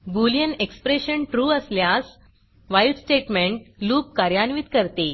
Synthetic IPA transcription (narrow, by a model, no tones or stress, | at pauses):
buljənekspɾeɕəɳʈɾuːəsljas | ʋajʈsʈeʈmẽɳʈluːp̚kaɾjanʋiːt̪kəɾt̪e